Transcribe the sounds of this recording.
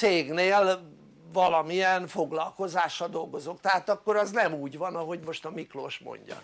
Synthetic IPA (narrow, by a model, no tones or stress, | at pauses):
seːɡneːl | vɒlɒmijɛnfo̞ɡlɒlko̞zaːʃːɒld̪o̞lɡo̞zo̞kt̪ɛɦaːt̪ɒkːo̞ɾɒznɛmuːɟvɒnɒɦo̞ɟmo̞ʃt̪ɒmiklo̰ːʃmo̰ɲɟɒ̰